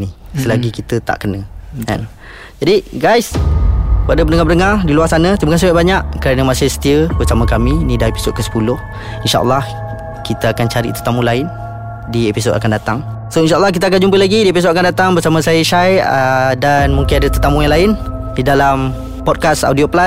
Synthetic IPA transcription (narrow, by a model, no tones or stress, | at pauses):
nisəlaɡikit̪ət̪a̰ʔkənəɛ̰n | d͡ʒadiɡajs | padəpənəŋapənəŋardiluarsanə̃t̪əməkas̬ibaʔbaɲaʔkəɾanəmasɪhsə̥t̪iəbərsamə̃kaminidaepi̥sod̚kəsə̥pulʊh | inʃa̰ʔə̰lːɑh | kit̪əakant͡ʃaɾḭt̪ərt̪amulaɪn | diepisoda̰kandat̪aŋ | soinʃaʔəlːɑhk̬it̪əak̬and͡ʒumpəlaɡidiepisodakandat̪aŋbərsamə̃sajəʃajdanmũŋkɪnadət̪ərt̪amũjãŋlaɪn | didalam | pɔd̚kasa̰wdiopla